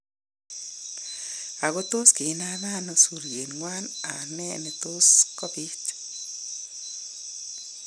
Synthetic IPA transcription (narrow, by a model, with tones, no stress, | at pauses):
a˨ɣo˦t̪o˦ske˨˦na˦ða˦no˨su˨ɾje˨nŋwa˦na˨nɛ˦ne˨t̪o˦skɔ˦bi˦t͡ʃ